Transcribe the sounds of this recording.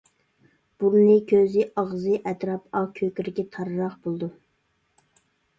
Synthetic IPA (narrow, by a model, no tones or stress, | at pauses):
b̥uɾnɨkʲʰøzɪʔɑʁzɨʔɛt̪ɾɑpɑkʲʰøkʲyɾɪɡʲɛt̪ʰɑɾɾɑχb̥olˠd̪u